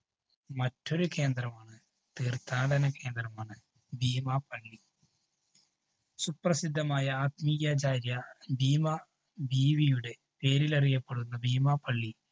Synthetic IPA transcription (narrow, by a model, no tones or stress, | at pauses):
mɐtːo̞ɾuke̞ːnd̪rɐmaːɳɨ | t̪iːrt̪aːɽɐnɐke̞ːnd̪rɐmaːɳɨ | biːmaːpɐɭːi | suprɐsid̪ʱːɐmaːjɐaːt̪mijaːt͡ɕaːɾjɐbiːma | biːʋijuɽe̞ | pe̞ːɾilɐrijɐpːeɽunːɐbiːmaːpɐɭːi